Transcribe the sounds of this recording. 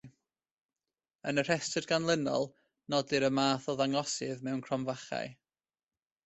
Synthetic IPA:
ənər̥ɛstədɡanlˠənɔ̰lˠ | nɔdɨɾəmaːθɔðaŋɔsɨðmɛwnkʰrɔmvaχa̰j

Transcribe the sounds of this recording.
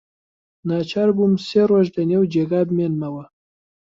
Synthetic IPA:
nɑt͡ʃaɾbumseɾoʒd̪anewd͡ʒeɡabmenmawa

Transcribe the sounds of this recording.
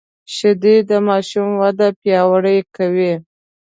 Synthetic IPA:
ʃɪd̪id̪əmɑʃumwad̪apjɑwaɽəjkawi

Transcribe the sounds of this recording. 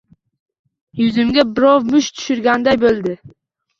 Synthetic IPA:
jʊzɪmɡʲabɪɾɒwmʊʃt̪ʰʊ̥ʃʊɾɡʲand̪ajbolˠd̪ɪ

